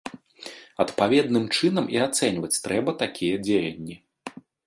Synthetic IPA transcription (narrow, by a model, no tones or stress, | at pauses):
ɐt̪pavʲɛd̪̚nɨmt͡ʂɨnɐmiat̪sɛnʲvɐt͡sʲt̪ɾɛbɐt̪akʲʰijɐd͡zʲejɐnʲːi